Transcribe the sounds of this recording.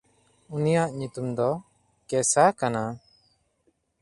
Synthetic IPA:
unijaʔɲut̪umd̪ɔ | kɛsakana

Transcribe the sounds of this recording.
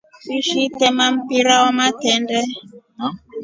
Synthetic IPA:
siʃitɛmam̩piɾawɔmatɛndɛ

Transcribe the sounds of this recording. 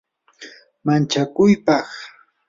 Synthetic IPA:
mant͡ʃakʊjpɑχ

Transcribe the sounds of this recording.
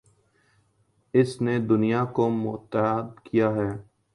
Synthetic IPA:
ɪsned̪ʊnijakomʊt̪ːəd̪kijaːɦɛː

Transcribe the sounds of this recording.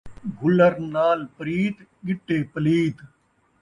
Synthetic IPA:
bʱʊləɾnaːlpəɾiːt̪ɠɪʈːeːpəliːt̪

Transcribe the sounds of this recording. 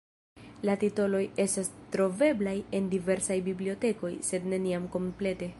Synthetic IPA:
latito̞lo̞je̞stastɾo̞ve̞blaje̞ndive̞ɾsajbiblio̞te̞ko̞jse̞dne̞niamko̞mple̞te̞

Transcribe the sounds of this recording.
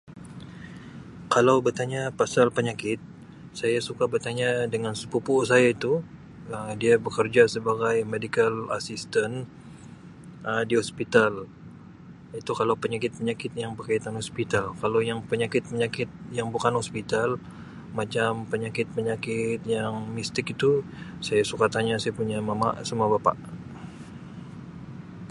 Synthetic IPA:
kalawbərt̪aɲapasalpəɲakɪt̪̚ | sajasukabərt̪aɲadəŋansəpupʊsajait̪u | ədiabəkərd͡ʒasəbaɡajmedikala̰sist̪an | ədiɦɔspit̪al | jit̪ukalawpəɲakɪt̪̚pəɲakɪt̪̚jaŋpərkajat̪anhɔspit̪alkalojaŋpəɲakɪt̪̚pəɲakɪt̪̚jaŋbukanhɔspit̪al | mat͡ʃampəɲakɪt̪̚pəɲakɪt̪̚jaŋmist̪ɪkit̪u | sajasukat̪aɲasajapuɲamama̰ʔsəmuabapa̰ʔ

